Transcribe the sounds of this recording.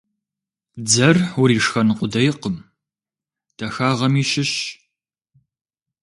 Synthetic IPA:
d͡zɐrʊɾiːʂxɐnɨqʷʊdɐjɪqəm | d̥ʰɐxaːʁɐmiːɕɪɕ

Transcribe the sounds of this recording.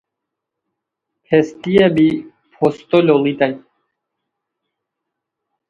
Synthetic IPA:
pʰest̪iebi | pʰost̪olʲolit̪aj

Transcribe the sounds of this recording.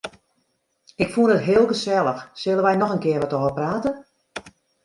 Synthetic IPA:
ɪkfuənətɦɪːlˠɡəsɛlˠəxsɪlˠəʋɛjnɔxənkɪərʋɔtoːvəpraːtə

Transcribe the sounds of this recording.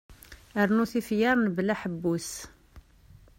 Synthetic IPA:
əɾnuθifjɑɾˤnblæħəbːus

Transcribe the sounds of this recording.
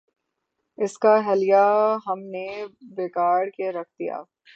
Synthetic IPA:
ɪskaɦɛlijaɦɐmnebeːkaːɾkeɾɐk̚ʰd̪ija̰ː

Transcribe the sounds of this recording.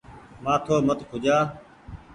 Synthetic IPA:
mãːt̪ʰoːmət̪kʰʊd͡ʒaː

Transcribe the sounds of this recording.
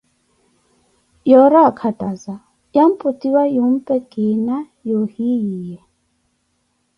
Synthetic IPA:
jɔɾakʰatʼaza | jam̩pʼut̪iwajum̩pɛkʼina | johijijɛ

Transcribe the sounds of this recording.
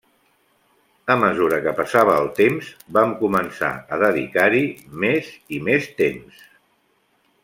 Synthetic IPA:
əməzuɾəkəpəsaβ̞əːlˠt̪emzbamkumənsa̰əðəðḭkaɾimezimest̪ems

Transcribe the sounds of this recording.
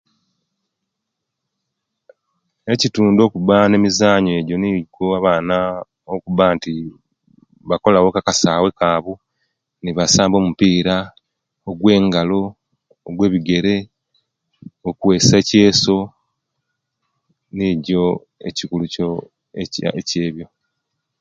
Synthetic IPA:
ecituːndo̞ːkuβane̞mizaːɲe̞ɟo̞niɟoaβaːna | okuβaːnti | βako̞lawokakasawe̞kaːβu | niβasaːmbo̞ːmupiːɾa | oɡwe̞ːŋɡalo̞ː | ɡwe̞ːβiɡe̞ɾe̞ | okuwe̞ːseːce̞ːso̞ | niɟo̞ | e̞̰cikuluco̰ | eceːβjo̞

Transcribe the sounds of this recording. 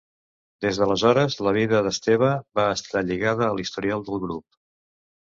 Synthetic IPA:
d̪ezðələzɔɾəzləβ̞iðəðəst̪eβ̞əbaəst̪aʎiɣaðəːlist̪uɾialˠd̪əlˠɣɾup̚

